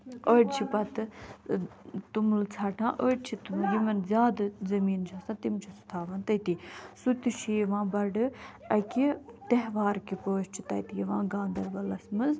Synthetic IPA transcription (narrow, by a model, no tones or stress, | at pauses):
əːʈt͡ʃʰipɐt̪ɨ | t̪umlt͡sʰaːʈʰãːʔəːʈ̚t͡ʃʰit̪umjimɐnzʲjaːd̪ɐzɐmiːnt͡ʃʰasãːt̪imt͡ʃʰɐsu̥t̪ʰaːʋant̪ɐt̪isut̪iʃʰijʋãːbɐɖɨ | ɐkit̪ɐɦʋaːɾkipəːʃt͡ʃʰi̥t̪ɐ̰t̪ijiʋãːɡãːnd̪ɐɾbɐlɐsmɐnz